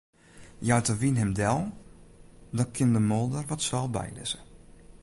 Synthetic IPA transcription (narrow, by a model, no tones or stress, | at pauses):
jawtəʋinɦɛmdɛlˠ | dɔkʰɪndəmolˠdərʋɔtsʋɛlˠbɛ̰jlɪ̰sə